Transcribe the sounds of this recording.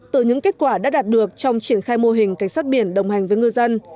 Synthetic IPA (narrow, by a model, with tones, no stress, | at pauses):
t̪ɨ˧˩ɲɨ̰˧˥ŋke˦˥t̚kwaː˧˩ɗa̰ː˧˥ɗaː˨˩t̚ɗɨ˨˩ək̚t͡ɕɔ˧wŋ͡mt͡ɕi˧˩ənxaː˧jmo˧ɦï˨˩ŋ̟ka˨˧˩ŋ̟saː˦˥t̚ɓi˧˩ənɗə̰˨˩wŋ͡mha˨˩jŋ̟vəː˨˦jŋɨ˧jzə˧n